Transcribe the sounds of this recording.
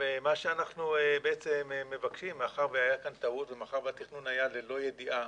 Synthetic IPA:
vemaʃeanaχnuebeʔet͡semeːe̞vakʃimːaχaʁveajakant̪aut̪vemeaχaʁvat̪iχnunajalelo̞je̞diʔa

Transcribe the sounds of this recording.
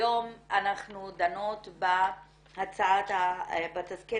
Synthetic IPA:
omanaχnud̪ano̞t̪ba | hat͡saat̪abat̪aske

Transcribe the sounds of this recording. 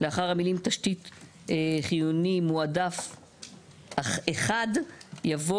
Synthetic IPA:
leaχaʁhamilimt̪aʃtit̪ | χijunimuadaf | eχadjavo

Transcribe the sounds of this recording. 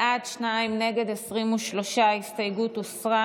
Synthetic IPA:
ʔadʃnaimne̞ɡe̞d̪esʁimuʃlo̞ʃaist̪ajɡut̪usʁa

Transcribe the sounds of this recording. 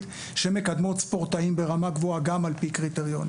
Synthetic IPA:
t̪ | ʃemekad̪motspo̞ʁtaimbeʁamaɡvoaɡamalpikʁit̪eʁjo̞̰n

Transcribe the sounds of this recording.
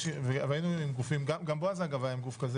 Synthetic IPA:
ʃivevainuimɡufimɡamɡamboazaɡavalemɡufkaze

